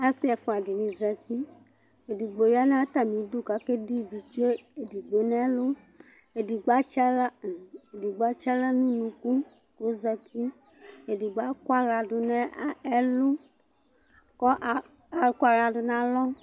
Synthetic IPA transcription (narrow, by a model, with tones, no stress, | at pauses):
a˦si˦ɛ˨fo˨a˨di˨nĩ˨zɛ˨t̪i˦ | e˨di˨ɡ͡bo˨ja˦nã˦t̪a˨mĩ˨˦du˦ka˨˦ke˦du˦˨vi˨t͡ʃu˦e˦e˨di˨ɡ͡bo˨˦nɛ˦lʊ˦ | e˨di˨ɡ͡ba˦t͡ʃa˦la˦˨e˨di˨ɡ͡ba˨˦t͡ʃa˦la˦nũ˦nũ˨ku˦ | ko˦za˧t̪ʰi˦ | e˨di˨ɡ͡ba˨˦kʷa˦ɾa˨dʊ˨nɛ˦ɛ˦lʊ˦ | kɔ˦ʔ | a˨˦ka˦ɾa˨dʊ˨nã˨˦lɔ˦